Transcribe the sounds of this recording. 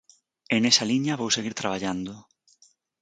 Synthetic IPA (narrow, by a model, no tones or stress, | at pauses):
enesaliɲɐβowseɣiɾt̪ɾaβ̞aʎand̪ʊ